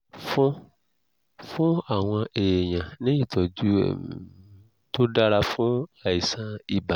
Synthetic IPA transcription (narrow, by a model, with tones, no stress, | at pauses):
fũ˦ | fũ˦a˨w̃ã˧ʔe˨je˨ɲã˨nẽ˦ji˨t̪ɔ˨d͡ʒṵ˦˨ | t̪o˦ɖa˦la˦fũ˦a˨i˨sã˦i˨ba˨